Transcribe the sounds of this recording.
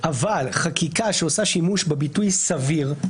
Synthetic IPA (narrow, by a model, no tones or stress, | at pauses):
ʔavalχakikaʃeosaʃimuʃbebitujsaviʁ